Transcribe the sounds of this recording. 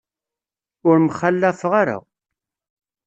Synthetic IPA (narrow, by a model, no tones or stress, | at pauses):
ʊɾmχalːæfʁaɾa̰